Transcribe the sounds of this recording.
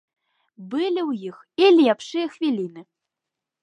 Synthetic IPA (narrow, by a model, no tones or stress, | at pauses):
bɨlʲiwjix | ilʲɛpʂɨjɐxvʲilʲinɨ